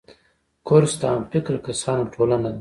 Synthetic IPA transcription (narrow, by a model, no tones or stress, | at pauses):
koɾst̪ɑmfɪkɾkasɑnoʈʰolanad̪